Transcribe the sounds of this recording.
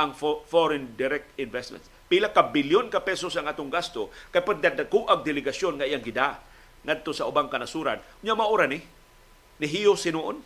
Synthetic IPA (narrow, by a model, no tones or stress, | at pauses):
ʔaŋffoɾɛnd̪ɪɾɛk̚t̪ɪnvɛst̪mɛ̰nt̪ | pilakabɪljonkapɛsosaŋaːt̪oŋɡast̪okajpaɡ̚d̪ad̪akuʔaɡ̚d̪ɪlɪɡasjonŋaʔijaŋɡɪd̪a | ŋad̪̚t̪osaʔʊbaŋkanasuɾa̰nkʊɲaʔmaʔoɾanɪ | nɪɦijosɪnuʔon